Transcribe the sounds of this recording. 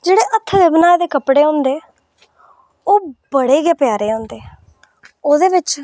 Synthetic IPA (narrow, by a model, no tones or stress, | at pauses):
d͡ʒeːɽeːʔət̪ʰːʋebnaːed̪eːkəpɽeːõːnd̪eː | oːbəɽeːɡɛːpɪjaːɾeːõːnd̪eː | oːd̪eːʋɪt͡ʃ